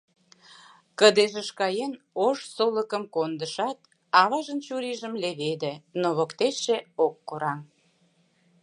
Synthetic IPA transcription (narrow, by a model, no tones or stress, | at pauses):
kəd̪eʒeʃkɑjen | oʃsoləkəmkond̪əʃɑt̪̚ | ɑβɑʒənt͡ɕuɾiʒəmleβed̪ĕnoβokt̪eʃeokːoɾɑm